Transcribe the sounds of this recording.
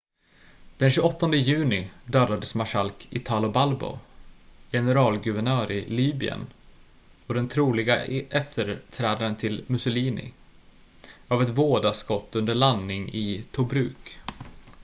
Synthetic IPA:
d̪̥ɛnɕʉɔt̪ːɔnd̪əjʉ̟ːnɪd̪œːd̪ad̪əsmaʂalkʰɪt̪ʰɑːlʊbalbɔ̰ | jɛnəɾɑːlɡɵvɛɳœːɾɪliːbɪə̰n | ɔd̪ɛnt̪ʰɾuːlɪɡaʔɛft̪ʰəɾʈʰɾɛːd̪aɾənt̪ʰɪlmɵsʊliːnɪ̰ | avɛt̪voːd̪askɔt̪ːɵnd̪əɭanːɪŋɪt̪ʰʊbɾʉ̟ːk

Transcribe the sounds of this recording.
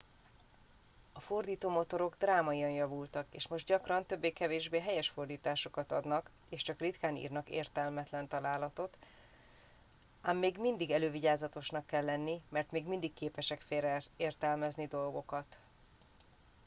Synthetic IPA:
ɒfo̞rd̪iːt̪oːmo̞t̪o̞ɾo̞ɡd̪raːmɒiɒnjɒvult̪ɒkeːʃmo̞ʒd̪ɟɒkrɒnt̪ø̞bːeːkɛveːʒbeːɦɛjɛʃfo̞rd̪iːt̪aːʃo̞kɒt̪ɒd̪nɒk | eːʃt͡ʃɒkrit̪kaːnḭːrnɒkḛːrt̪ɛlmɛt̪lɛnt̪ɒlaːlɒt̪o̞t̪ | aːmːeːɡmind̪iɡɛløːviɟaːzɒt̪o̞ʃnɒkːɛlːɛnːimɛrt̪meːɡmind̪ikːeːpɛʃɛkfeːrɛeːrt̪ɛlmɛznid̪o̞lɡo̞kɒt̪

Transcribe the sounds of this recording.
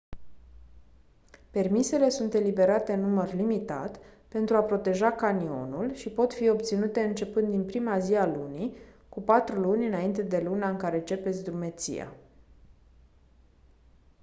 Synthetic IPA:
pe̞rmise̞le̞sunt̪e̞libe̞ɾat̪e̞nːumərlimit̪a̰t̪pe̞nt̪ɾuapɾo̞t̪e̞ʒakanio̞̰nulʃipo̞t̪fio̞pt̪sinut̪e̞ɨnt͡ʃe̞pɨnd̪inpɾimazialunikupat̪ɾulunʲɨnaint̪e̞d̪e̞lunaɨŋkaɾe̞t͡ʃe̞pe̞t̪sʲd̪ɾume̞t̪sḭja̰

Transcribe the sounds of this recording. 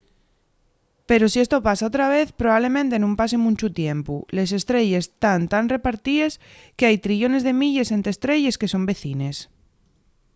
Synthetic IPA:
pe̞ɾo̞sie̞st̪o̞pasaot̪ɾaβ̞e̞θpɾoβaβle̞mẽnt̪e̞nũmpasemũɲt͡ʃut̪je̞mpule̞s̬e̞st̪ɾe̞ʝe̞st̪ant̪anre̞paɾt̪ies | keajt̪ɾiʝo̞ne̞zðe̞miʎe̞sent̪ɾest̪ɾe̞ʝe̞ske̞so̞mbe̞θine̞s

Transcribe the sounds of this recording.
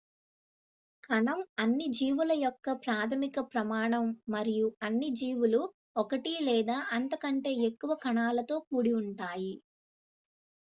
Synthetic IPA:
kɐɳɐmɐnːid͡ʒiːʋulɐjɔkːɐpɾaːt̪ʰɐmikɐpɾɐmaːɳɐmːɐɾijuɐnːid͡ʒiːʋulu | ɔkɐʈilɛːd̪aːʔɐnt̪ɐkɐɳʈe̞ːekːuʋɐkɐɳaːlɐt̪o̞ːk̚uːɽiuɳʈaːji

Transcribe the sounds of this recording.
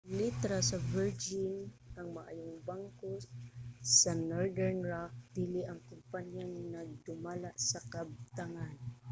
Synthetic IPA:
lit̪ɾasɐvɛɹd͡ʒɪnɐŋmɐʔa̰ːjoŋbaŋko | sɐnoɹd̪ɛɹnɹak̚d̪̥ilɪʔɐŋkʊmpaɲjanɐd̪ʊmalaʔsɐkɐb̚t̪aŋan

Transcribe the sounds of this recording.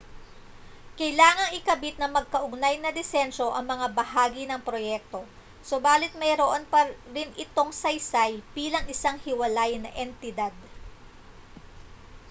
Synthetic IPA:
kɐjlaːŋɐŋɪkɐbɪt̪̚nɐmɐɡ̚kɐʔʊɡ̚najnɐd̪ɪsɛnʃo̞ʔɐŋmɐŋabɐhaːɡɪnɐŋpɾo̞jɛk̚t̪o̞ | sobaːlɪt̪̚mɐjɾoʔonpɐɾɪnʔɪt̪o̞ŋsɐjsajbiːlɐŋɪsaŋhɪwɐlajnɐʔɛnt̪ɪd̪ad̪̚

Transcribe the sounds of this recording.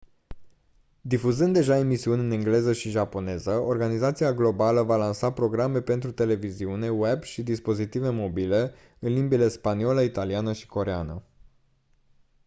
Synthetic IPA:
d̪ifuzɨnd̪ːe̞ʒae̞misiunʲɨneŋɡle̞zəʃiʒapo̞ne̞zəo̞rɡanizat̪siaɡlo̞baləvalansapɾo̞ɡɾame̞pe̞nt̪ɾut̪e̞le̞viziune̞webʃid̪ispo̞zit̪ive̞mo̞bile̞ | ɨnlimbile̞spanio̞ləit̪alianəʃi̥ko̞ɾea̰nə̰

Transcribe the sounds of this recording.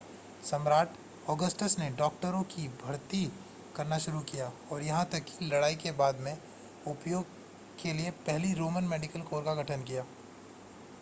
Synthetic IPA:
sɐmɾaːʈʰ | ɔːɡəsʈəsneɖɔːk̚ʈəɾõkibʱɐɾt̪i | kɐɾnaʃʊɾukijaːɔːɾjɐɦãt̪ɐkːi̥lɐɽaːikebaːd̪mẽ | ʊpjoːɡ̚ | kʰeliepɛɦliɾoːmənmeːɖɪkəlkoːɾkaɡʱɐʈʰənkijaː

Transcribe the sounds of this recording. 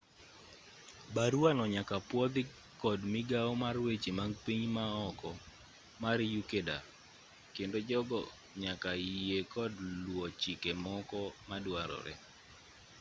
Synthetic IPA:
baɾwanɔɲakapwɔd̪ɪ | kɔdmɪɡaomarwet͡ʃimaŋɡpiɲmaɔkɔ | maɾjukeda̰ | kendod͡ʒɔɡɔ | ɲakajekʰɔdlwɔt͡ʃikemɔkɔmadwaɾɔ̰ɾɛ̰

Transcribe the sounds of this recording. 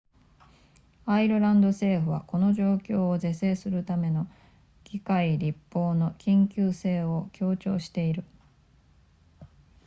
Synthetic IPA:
aiɾɯ̟ɾãnd̪o̞se̞ːɸɯ̟βako̞no̞ʑo̞ːkʲo̞ːze̞se̞ːsɨɾɯ̟t̪ame̞no̞ | ɡ̥ʲikaiɾʲipːo̞ːno̞kʲĩŋkʲɨːse̞ːo̞kʲʰo̞ːt͡ɕo̞̰ːɕi̥t̪e̞iɾɯ̟

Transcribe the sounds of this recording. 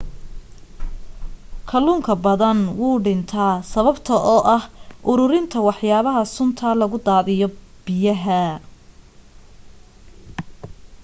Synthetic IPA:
kʰɐluːŋkʰɐbɐðɐnwuːɖɪnt̪ʰaːsɐβɐbt̪ʰɐʔɔːʔɐhʔʊɾʊɾɪnt̪ʰɐwɑħjaːβɐɦɐsʊnt̪ʰɐlɐɣʊd̪aːðɪjɔ | b̥ɪjɐɦɐ

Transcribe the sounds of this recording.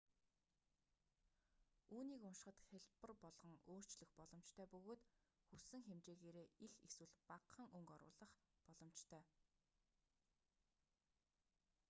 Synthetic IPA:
uːniːkʊnʃ̆χə̆t̪xeɮpə̆rpɔɮʁɞ̆ŋoːr̥t͡ɕɮɘ̆xpɔɮɞ̆m̥t͡ɕt̪ʰœːpɵɣoːt̪ | xusɘ̆ŋxemt͡ɕeːɣeːɾeːixeswɘ̆ɮpaqʰːə̆ŋɵŋkɔɾʊ̰ːɮə̆χpɔɮɞ̆m̥t͡ɕt̪ʰœː

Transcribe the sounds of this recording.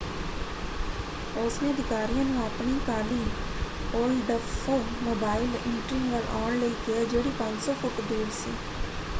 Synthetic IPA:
ʊsmẽəd̪ɪkaːɾijãnũəpnikaːliː | oːɾɖəffoː | moːbaːɪlẽːʈɾɪ̃ŋʋəɾʔaːnleik̪ɪad͡ʒeːɽipãɲd͡ʒsofʊʈd̪eːɽsḭː

